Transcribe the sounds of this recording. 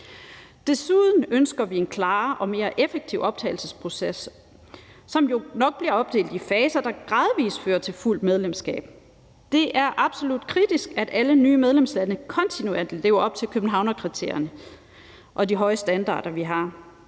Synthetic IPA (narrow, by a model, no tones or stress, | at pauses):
d̥e̝suð̞ˠn̩ønsɡ̥ɐʋie̝nkʰlɑ̈ːʔɒ̽me̝ːɐʔefeɡ̥̚t͡sʰiʊɒ̽b̥̚t͡sʰɛ̰ɪlsəspʰʁo̝sesː | ɒ̽mjo̝nɒ̽ɡ̥̚b̥liɐɒ̽b̥̚d̥e̝̰ːld̥ifɛːsɐd̥ɑ̈ɡ̥ʁɑ̈ð̞ˠʋḭːsføːɐt͡sʰe̝lful̰d̥með̞ˠlemsɡ̥ɛ̰ːb̥̚ | d̥e̝ʔæɐʔɑ̈b̥so̝lud̥kʰʁid̥isɡ̥æd̥ælənyːmeð̞ˠlemslænəkʰɒ̽nt͡sʰinuḛɐ̰d̥le̝ːʊɐɒ̽b̥̚t͡sʰe̝lkʰøb̥n̩ɦɑ̈ʊnɒkʰʁit͡sʰe̝̰ɐ̰jɐnə | ʔɒ̽diɦɒ̽ɪəsd̥ænd̥ɑ̰̈ːɾ̥ɐʋiɦɑ̈